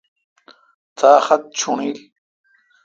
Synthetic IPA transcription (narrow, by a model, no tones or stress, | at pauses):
t̪ʰaːxɐt̪̚t͡ɕʰuɳiːl